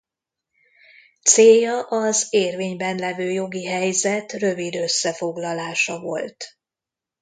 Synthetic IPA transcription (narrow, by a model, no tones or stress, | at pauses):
t̪seːjːɒʔɒzeːrveːɲbɛnlɛvøːjo̞ɡiɦɛjzɛt̪rø̞vid̪ø̞sːɛfo̞ɡlɒlaːʃɒvo̞̰lt̪